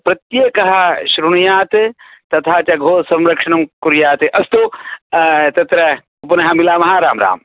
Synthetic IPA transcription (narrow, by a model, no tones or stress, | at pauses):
pɾɐt̪jeːkɐɦɐ̆ʃɾuɳjaːt̪t̪ɐt̪ʰaːt͡ʃɐɡʱoːsɐ̃mɾɐkʂɐɳɐmkuɾjaːt̪eʔɐst̪u | t̪ɐt̪ɾɐ | upɐnɐɦɐmilaːmɐɦaːɾaːmɾa̰ːm